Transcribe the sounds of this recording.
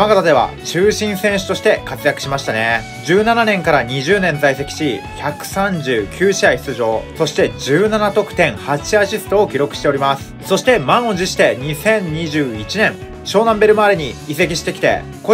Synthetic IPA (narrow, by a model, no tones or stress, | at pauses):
maɡat̪ad̪e̞βa̰t͡ɕɨːɕĩɰ̃sẽ̞ɰ̃ɕɨ̥t̪o̞ɕi̥t̪e̞kat͡sɨjakɯ̟ɕimaɕi̥t̪ane̞ | d͡ʑɨːnananẽ̞ŋkaɾaɲ̟iʑɨːnẽ̞nd͡zaise̞kʲi̥ɕiçakɯ̟̥sãɲd͡ʑɨːkʲʰɨːɕiai̥t͡sɨʑo̞ːso̞ɕi̥t̪e̞d͡ʑɨːnanat̪o̞kɯ̥t̪ẽ̞ɰ̃hat͡ɕiaɕisɨ̥t̪o̞ːkʲiɾo̞kɯ̟ɕi̥t̪e̞o̞ɾʲimasɨ̥so̞ɕi̥t̪e̞mãɰ̃od͡ʑiɕi̥t̪e̞ɲ̟isẽ̞ɲ̟ɲiʑɨːit͡ɕinẽ̞ɴ | ɕo̞ːnãmbe̞ɾɯ̟maːɾʲeɲ̟iise̞kʲiɕi̥t̪e̞kʲi̥t̪e̞̰ | ko